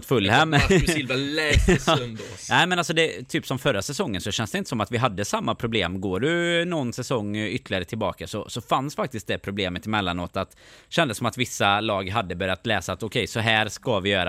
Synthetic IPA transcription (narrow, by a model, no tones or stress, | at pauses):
t̪fɵlːhɛmːlvalɛnd̪ | næɪmɛnalsɔd̪ɛt̪ʰyːpsɔmfœɾːasɛsɔŋːənsɔɕɛnsd̪ɛɪnt̪ə̥sɔmat̪vɪɦad̪ːəsamːapʰɾʊbleːmɡoːɾʉnɔnːsɛsɔŋːʏt̪ʰːlɪɡaɾət̪ʰɪlbɑ̰ːkasɔsɔfansfak̚t̪ɪst̪̚d̪ɛpʰɾʊbleːmət̪ɪmɛlːanoːt̪at̪ | ɕɛnd̪əsɔmat̪vɪsːalɑːɡɦad̪ːəbœɾjat̪lɛːsaːt̪ɔkʰɛjsɔɦæːɾʂkavɪjœːɾa